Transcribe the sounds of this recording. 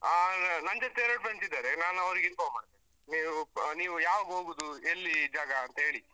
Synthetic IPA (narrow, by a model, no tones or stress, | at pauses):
anɐɲd͡ʒot̪ːeɾɐʈbɐnsid̪aːɾenaːnuɐʋɾiɡinkoːmaːɽt̪eni | niːʋuniːʋujaːʋaːɡɦoːɡuːd̪uelːid͡ʒaːɡɐːnt̪ɐɦe̞ːɭi